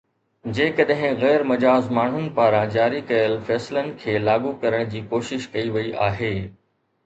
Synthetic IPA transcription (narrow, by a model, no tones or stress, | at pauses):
d͡ʑeːkɐɗɦɪ̃ɣɛːɾmɐd͡ʑaːzmaːɳ̤ʊnɪ̆paːɾãd͡ʑaːɾikɐjəlfɛːslənɪ̆kʰeːlaːɠukɐɾəɽ̃d͡ʑiːkoːʃɪʃkɐiʋɐiʔaːɦeː